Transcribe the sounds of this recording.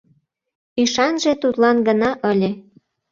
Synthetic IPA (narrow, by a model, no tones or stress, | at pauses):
yʃɑnʒet̪ut̪lɑnɡənɑʔə̆lʲe